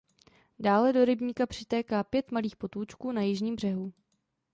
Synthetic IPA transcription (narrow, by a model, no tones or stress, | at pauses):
daːlɛdo̞ɾɪbɲiːkapr̝̥ɪ̥t̪ɛːkaːpjɛt̪maliːxpo̞t̪uːt͡ʃkuːnajɪʒɲiːmbr̝ɛɦu